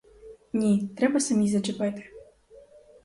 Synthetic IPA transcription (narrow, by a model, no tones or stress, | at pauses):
nʲit̪ɾɛbɐsɐmʲizɐt͡ʃɨpɛt̪ɨ̥